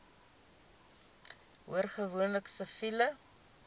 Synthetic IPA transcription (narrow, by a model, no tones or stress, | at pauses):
ɦuərχəvuənləksəfilə